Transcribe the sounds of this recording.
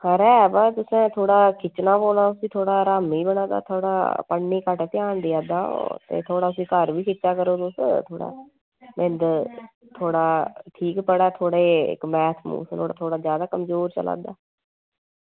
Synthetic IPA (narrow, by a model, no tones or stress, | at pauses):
kəɾɛːbat̪ʊsẽːt̪ʰoːɽaːkʰɪt͡ʃnaːboːlaːʊsĩːt̪ʰoːɽaːɾaːmiːbənãːd̪a̰ːt̪ʰoːɽa̰ːpəɳniːkəʈt̪ɪjaːnd̪ɪjaːd̪aːo̰t̪ḛːt̪ʰoːɽaːʊsĩːkəɾʋiːkɪt͡ʃʃaːkəɾoːt̪ʊst̪ʰoːɽa̰ː | mɪnd̪ | t̪ʰoːɽaːʈʰiːkpəɽaːt̪ʰoːɽeːɪ̰kmɛːt̪ʰmṵːsloːɽa̰ːt̪ʰoːɽaːzjaːd̪aːkəmzoːɾt͡ʃə̰la̰ːd̪a̰ː